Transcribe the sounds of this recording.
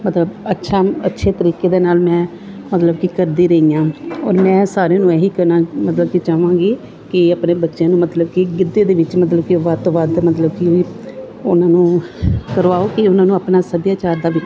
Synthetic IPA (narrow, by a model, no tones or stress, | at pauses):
mət̪ləbətːʃʰaːətːʃʰeːt̪əɾiːkeːd̪eːnaːlmɛ̃ː | mət̪ləb̚kiːkəɾd̪iːɾəijãːɔːɾmɛ̃ːsaːɾeːnũːɛːiːkəɾnaːmət̪ləb̚kit͡ʃaːʋãːɡeː | kɪapneːbətːʃjãːnũːmət̪ləb̚kiɡɪd̪ːeːd̪eːʋɪt͡ʃmət̪ləbkiʋaːt̪oːʋaːd̪mət̪ləb̚kiiː | ʊnãːnũːkəɾʋaːoːkɪʊnãːnũːaːpnaːsəd̪jaːt͡ʃaːɾd̪aːʋɪ